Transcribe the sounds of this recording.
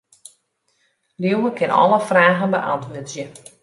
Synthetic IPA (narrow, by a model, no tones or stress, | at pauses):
ljiwəkʰɪnɔ̰ləfraːɣənbəʔɑntʰʋøtzjə